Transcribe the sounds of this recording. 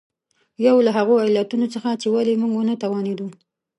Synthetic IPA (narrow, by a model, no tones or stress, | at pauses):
jawlaɦaɣoajlat̪unot͡səxat͡ʃewalemuŋɡwonət̪awɑned̪u